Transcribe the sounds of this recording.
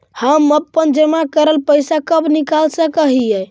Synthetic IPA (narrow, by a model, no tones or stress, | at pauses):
həməpːənd͡ʒəmakəɾəlpəjsakəbnikalsəkəɦijɛ